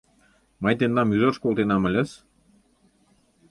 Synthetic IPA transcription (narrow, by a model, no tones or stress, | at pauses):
mɑjt̪end̪ɑmyʒɤrʃkolˠt̪enɑmə̆lʲə̆s